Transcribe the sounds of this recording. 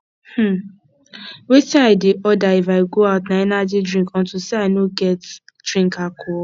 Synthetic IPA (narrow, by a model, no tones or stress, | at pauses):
h̩ | wetiaɪdeʔɔdaifaɪɡoaʊtnaɛnad͡ʒidɹĩŋkɔ̃ntuseaɪnoɡɛt | d̥ɹĩŋkakʰɔ